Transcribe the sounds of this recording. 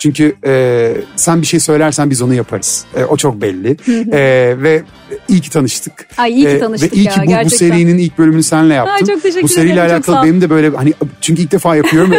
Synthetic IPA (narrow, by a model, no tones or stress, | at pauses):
t͡ʃʰyɲcʰyɛːsænbiʃe̞jsø̞jlʲæɾsænbizo̞nujapʰaɾɯz̥ɛ̰ːʔo̞t͡ʃʰo̞k̚bɛlʲːɪɛvɛ | ilcʰi̥t̪ʰanɯʃt̪ʰɯk̪ːnvɛʔijcʰibubuse̞ɾijininilʲc̚bølʲymynysænlʲɛjapt̪ɯmok̪̚eʃbuseɾijlʲɛalʲaːkʰalˠɯbenimd̪ɛbø̞jlʲɛhanit͡ʃʰyɲc̬yilʲc̚d̪efaːjapʰɯjo̞ɾum